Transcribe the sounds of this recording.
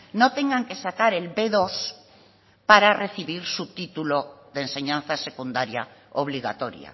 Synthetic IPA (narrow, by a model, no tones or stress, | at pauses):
not̪e̞ŋɡaŋke̞sakaɾe̞lbeðos | paɾare̞θiβiɾsut̪it̪uloðense̞ɲãnθase̞kund̪aɾja̰ | oβ̞liɣa̰t̪o̞ɾja̰